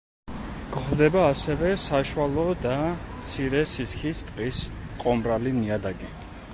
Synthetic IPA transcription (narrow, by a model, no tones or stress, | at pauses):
ɡ̥χd̪ɛbaːsɛvɛsaʃwalˠɔd̪amt̪sʰiɾɛsiskʰist̪ʼqʼisqʼɔmɾaliniad̪aɡi